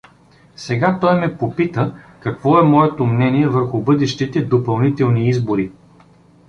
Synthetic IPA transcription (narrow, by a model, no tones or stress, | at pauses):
sɛɡat̪ɔjmɛpopit̪əkɐkvɔɛmɔɛt̪omnɛniɛvɤɾxʊbɤd̪ɛʃt̪it̪ɛd̪opɐlˠnit̪ɛlˠniizboɾi